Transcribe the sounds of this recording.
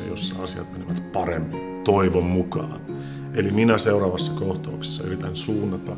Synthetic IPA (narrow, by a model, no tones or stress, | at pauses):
josːɑ̰ɑsiɑ̰t̪meniʋæt̪pɑremːi | t̪oiʋommukɑ̰ːn | eliminæseurɑːʋɑsːɑ̥koht̪ɑukse̥sːɑerit̪ːæinsuːnːɑt̪ːɑ